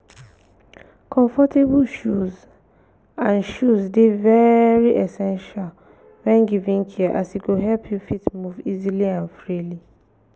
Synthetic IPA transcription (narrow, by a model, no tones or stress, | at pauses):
kʰɔ̃ɱfɔtʰebuʃuz | ãnʃuzdevɛɹiʔɛsɛ̃nʃal | wɛ̃nɡivĩŋkʰiʔasiɡoɦɛlpʰjufitmuviziliãnfɹili